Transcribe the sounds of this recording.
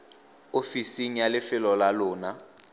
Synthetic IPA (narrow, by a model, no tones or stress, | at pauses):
ofisiŋijalɪfɪlɔlalʊːna